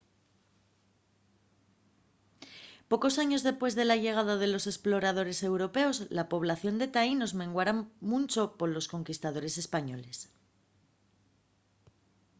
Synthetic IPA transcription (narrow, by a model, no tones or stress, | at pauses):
po̞ko̞saɲo̞zðe̞spwe̞zðe̞laʝe̞ɣ̞aðaðe̞lo̞se̞splo̞ɾað̞o̞ɾe̞se̞wɾo̞pe̞o̞zlapo̞β̞laθjo̞nd̪e̞t̪aino̞zmẽ̞ŋɡwaɾamũnt͡ʃo̞po̞ɾlo̞sko̞ŋkist̪aðo̞ɾe̞se̞spaɲo̞le̞s